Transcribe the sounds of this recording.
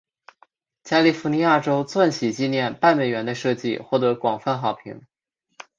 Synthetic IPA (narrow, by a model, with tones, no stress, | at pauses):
t͡ɕja˥li˥˩fu˧˥ni˧˥ja˥˩ʈ͡ʂo˥ʊt͡swa˥˩nɕi˨˩t͡ɕi˥˧njɛ˥˧npa˥˩nme˨˩ɪɥɛ˧˥nd̪ə˧ʂɤ˥˧t͡ɕḭ˥˧xwɔ˥˩t̪ɤ˧˥kwɑ˨˩ŋfa˥˧nxɑ˨˩ʊpʰḭ˧˥ŋ